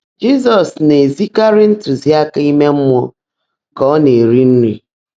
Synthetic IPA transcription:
d͡ʒi˦zɔ˨sne˨zi˦ka˦ɾɪ˦n̩˦tu˨zi˦a˦ka˦i˦me˦m̩˦mɔ˦ | kɔ˦ne˨ɾi˦n̩˦ɾḭ˨

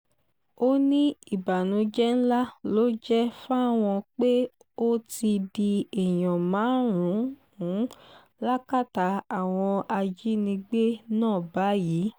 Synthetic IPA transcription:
o˦nĩ˦i˦˨ba˨nũ˨˦d͡ʒɛ˦n̩˦la˦lo˦d͡ʒɛ˦fa˦˨w̃ɔ̃˧k͡pe˦ | o˦ti˧di˧e˨j̃ɔ̃˨mãː˨˦ɾũ˨˦ | ũ˨˦ | la˦ka˦˨ta˨˦a˨w̃ɔ̃˧a˧d͡ʒi˦nĩ˧ɡ͡be˦nãː˦˨ba˨˦ji˨˦

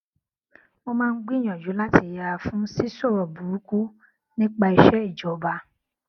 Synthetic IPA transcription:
mo˧mãː˦˧n̩˦ɡ͡bĩ˦˨ɔ̃˨d͡ʒu˨˦la˦ti˧˨ja˨˧fũ˦si˦so˦˨ɾɔ˨bu˨ɾu˨˦ku˦ | nĩ˦k͡pa˧i˧ʃɛ˦i˦˨d͡ʒɔ˨˦ba˧˦

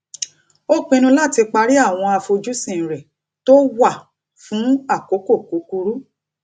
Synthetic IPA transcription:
o˦k͡pẽ˧nũ˧la˦˨ti˧k͡pa˧ɾi˦a˦˨w̃ɔ̃˧a˧fo˧d͡ʒu˦sĩ˦˨ɾɛ˨ | to˦wa˦˨ | fũ˨˦a˦˨ko˨˦ko˦˨ku˨˦ku˧ɾu˦

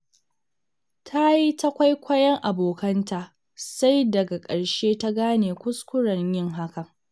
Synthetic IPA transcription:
tʰa˦ji˦ta˦kʷa˦jkʷʰɐ˦jɐ˦ŋʔa˨boː˨kɐ˦ntaː˨ | sa˦jdɐ˨ɡa˨kʼɐ˨ɽʃeː˦ta˦ɡaː˦neː˨kʷʊ˦skʷʊ˦ɽɐ˨ɲjɪ˦ŋɦa˦kɐ˨ŋ

